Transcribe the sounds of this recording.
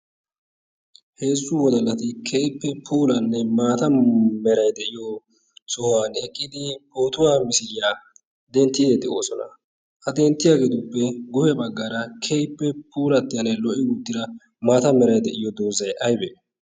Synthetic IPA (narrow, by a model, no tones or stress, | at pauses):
he̞ːzːʊwɔd̪ɐlːɐt̪ɪkʰeːjpːɛpʰuːlɐnːɛmaːt̪ɐmɛɾɐjd̪ɛʔɪjɔ | sʊhɔwanɛkʼːɪd̪ɪboːt̪ʊwaːmɪsɪɾɪjaː | d̪ɛnt̪ːid̪ɛd̪ɛo̰ːsɔnɐ̰ | ʔɐd̪eːnt̪ːɪjaːɡeːt̪ʊpːɛɡʊhɛbɐɡːaːɾɐkʰejpːɛpʰuːlɐt̪ːɪjɐnːɛlɔʔɪɡʊd̪ːɪd̪ɐ | maːt̪ɐmɛɾɐjd̪ɛʔɪjɔd̪oːzɐjʔɐjbeː